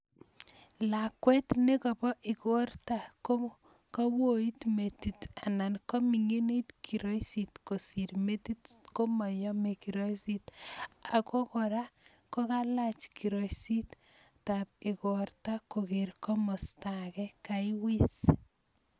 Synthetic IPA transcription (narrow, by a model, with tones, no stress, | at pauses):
lakwɛ˦tne˦kɔ˨pɔ˦ʔi˨ko˦rta˨ko˦ | kɔ˦wo˦i˦tme˨ti˨ta˨na˨nkɔ˦mi˨ŋe˦ni˦tkʰi˨ɾɔ˦jsitko˨siɾme˦titko˦ma˨jɔ˦me˨kiɾojsita˨ko˦kɔ˨ɾa˦ | ko˦ka˦la˦t͡ʃki˨ɾo˨jsi˦t | tapi˨ko˨rta˦ko˨ke˨ɾkɔ˦mɔ˨stakɛ˦kaiwi˦s